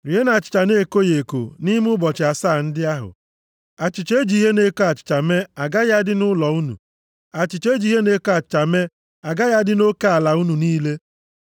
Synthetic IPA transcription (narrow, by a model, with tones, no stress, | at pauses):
ɾi˨ɦe˦na˨t͡ʃɪ̥˨t͡ʃa˨ne˦˨ko˦je˨ko̰˨ni˦m˦ʊ˦bɔ˨t͡ʃɪ˨a˨saː˦˨n̩˦dɪ˦a˦ɦʊ̰˨ | a˨t͡ʃɪ˨t͡ʃe˦d͡ʒi˨˦ɦe˦ne˦ko˦a˨t͡ʃɪ̥˨t͡ʃa˨me˦a˨ɡa˦ja˦dɪ˦nʊ˦lɔ˨u˦nṵ˨ | a˨t͡ʃɪ˨t͡ʃe˦d͡ʒi˨˦ɦe˦ne˦ko˦a˨t͡ʃɪ̥˨t͡ʃa˨me˦ | a˨ɡa˦ja˦dɪ˦no˦ka˦a˨la˨u˦nu˨niː˦le˦